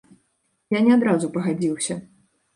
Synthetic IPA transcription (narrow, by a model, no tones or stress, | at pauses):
janʲɛad̪ɾazupɐɣad͡zʲiwsʲɐ